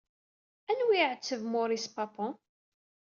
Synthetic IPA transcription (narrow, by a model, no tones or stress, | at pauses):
ænwiʕət͡sːəvmʊɾispɑpɔ̃